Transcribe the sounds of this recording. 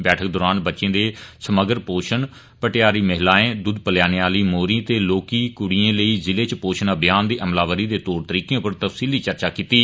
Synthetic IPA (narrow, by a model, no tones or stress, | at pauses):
bɛːʈʰək̚d̪oːɾaːnbətːʃẽːd̪eːsəməɡəɾpoːʃəɳ | pəʈɪjaːɾiːməɦlaːẽːd̪ʊd̪pəljaːnejaːliːmoːɾĩːt̪eːloːkiːkʊɽiːẽːləiːzɪleːt͡ʃpoːʃənəbjaːnd̪eːʔəmlaːʋəɾiːd̪eːt̪oːɾt̪əɾiːkẽpəɾt̪əfsiːliːt͡ʃəɾt͡ʃaːkiːt̪iː